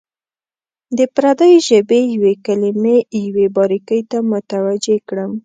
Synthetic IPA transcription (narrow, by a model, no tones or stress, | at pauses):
d̪əpɾad̪əjʒəbejwekalimejwebɑɾikəjt̪amʊt̪awad͡ʒekɽəm